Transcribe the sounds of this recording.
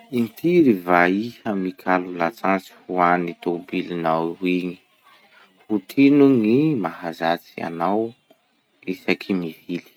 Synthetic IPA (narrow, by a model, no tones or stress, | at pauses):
int̪iɾivaihamikʰalulat͡sant͡si̥huanit̪obilinawiŋi̥ | hut̪ʰinuŋimaɦazat͡sia̰naw | isakʰimivili̥